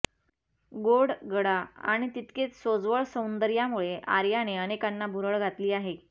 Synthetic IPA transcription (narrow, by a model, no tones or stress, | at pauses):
ɡoɽɡəɽaa̰ɽ̃it̪it̪ket͡ssod͡zʋəɭsəwnd̪əɾjamuɭeʔa̰ɾjaneənekanːabʱuɾəɭɡʱat̪liːaɦe